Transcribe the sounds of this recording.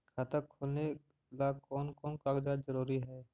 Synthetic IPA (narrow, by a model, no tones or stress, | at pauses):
kʰaːt̪əkʰoːlne | laːkɔːnkɔːnkaːɡd͡ʒaːd̪zəɾuːɾiɦɛː